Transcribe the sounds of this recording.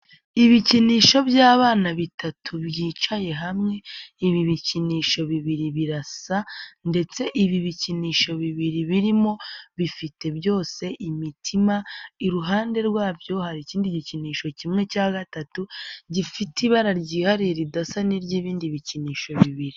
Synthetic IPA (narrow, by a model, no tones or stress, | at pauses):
iβiciniːʃo̞βjaːβaːnaβitʰatʰuβjiːt͡ʃaje̞ɦamŋe̞iβiβiciniːʃo̞βiβiɾiβiɾasande̞t͡se̞ʔiβiβiciniːʃo̞βiβiɾiβiɾimo̞βifite̞bjo̞ːse̞ʔimitʰimaiɾuɦaːnde̞ɾɡwaːvjo̞haɾiciːndiɟiciniːʃo̞cimŋe̞caːɡatatuɟifitiβaɾaɾɟiːhaɾiɾidasaniɾɟiːβiːndiβiciniːʃo̞βiβiɾi